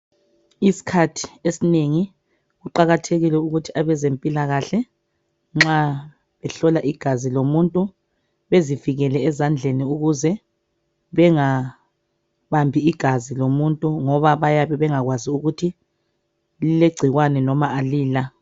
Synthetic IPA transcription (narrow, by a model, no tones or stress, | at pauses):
isi̥kʰatʰi̥esineŋi | ɣuǃaɣatʰeɣilɛuɣutʰiaβɛzempʼilaɣaɬɛ | ŋ͡ǁa | βɛɬɔlaʔiɡ̥ʱazilomuntʼu | βeziviɣɛlɛːzand͡ɮʱeniuɣuzɛ | βɛŋa | βambʱiːɡ̥ʱazilomuntʼuŋɔβaβajaβɛβɛŋaɣwaziuɣutʰi | lileɡ͡ǀʱiɣwanɛnɔmaʔaliːla